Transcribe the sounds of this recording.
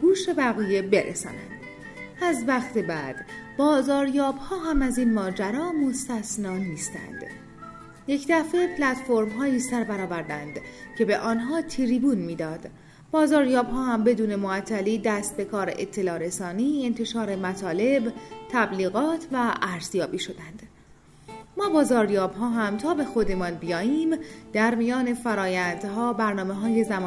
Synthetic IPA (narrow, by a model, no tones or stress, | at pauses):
ɡ̥uːʃe̞bæɣiːje̞be̞ɾʔḛsɒ̰ːnæ̰nd̪̥ | æzvæχt̪ebæd̪̥bɒːzɒːɾjɒːbhɒːɦæmæziːnmɒːd͡ʒæɾɒːmo̞st̪æsnɒːniːst̪æ̰nd̪̥ | je̞cʰd̪æfe̞pʰlæt̪fo̞ɾmɦɒːjiːsæɾbæɾɒːvæɾd̪ænd̪cʰe̞be̞ʔɒːnɦɒːt̪ʰiɾiːbuːnmiːd̪ɒːd̪̥ | b̥ɒːzɒːɾjɒːbɦɒːhæmbe̞d̪uːne̞moæt̪ʰːæliːd̪æst̪̚be̞kʰɒːɾeʔet̪ʰːe̞lɒːɾe̞sɒːniːe̞nt̪ʰe̞ʃɒːɾe̞mæt̪ʰɒːle̞bt̪ʰæbliːɣɒːt̪ʰvæʔæɾz̥jɒːbiːʃo̞d̪ænd̪̥ | mɒːbɒːzɒːɾjɒːbɦɒːɦæmt̪ʰɒːbe̞xo̞d̪e̞mɒːnbijɒːjiːmd̪̥æɾmijɒːne̞fæɾɒːjænd̪ɦɒːbæɾnɒːme̞ɦɒːje̞zæmː